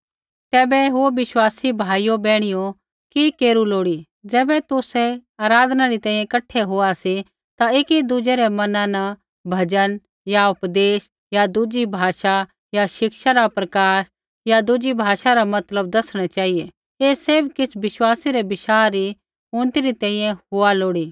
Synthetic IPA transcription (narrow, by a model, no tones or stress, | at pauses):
t̪ɛːbɛɦoʋɪʃwaːsibʱaːijobɛːɽ̃ijo | kikeːɾuloːɽi | d͡zɛːbɛt̪ʊsɛaːɾaːd̪ʱnaɾit̪ɛ̃ːĩjẽkɐʈʰeɦoasi | t̪aɪkid̪ʊd͡ʒeɾemɐnãna | bʱɐd͡ʒən | jaʊpd̪eːs | jad̪ʊd͡ʒibʱaːʃa | jaʃɪkʃaɾapɾɐkaːʃ | jad̪ʊd͡ʒibʱaːʃaɾamɐt̪ləb̚d̪ɐsɽ̃at͡ʃaːɦije | eːseɾbkɪsʰʋɪʃwaːsiɾebɪʃaːɾi | ʊ̃ñt̪iɾit̪ɛ̃ːĩjɛ̃ɦʊaloːɽiː